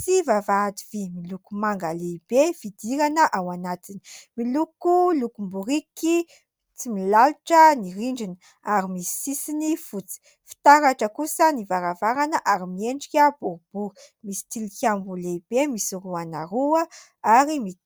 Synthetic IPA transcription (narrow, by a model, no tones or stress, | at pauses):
sivavaːd̪ivimilukumaŋɡaleib̥evid̪iɾanəʔawanat̪ini̥milukulukumbuɾiki | t͡similaluʈ͡ʂəniɾiɳɖ͡ʐinə | aɾimisi̥sisinifut͡si̥ | fi̥t̪aɾaʈ͡ʂəkusənivaɾavaɾanəʔaɾimieɳɖ͡ʐikʲəbuɾub̥u | misi̥t̪ilikʲambuleib̥emisiɾuanaɾuə | aɾimi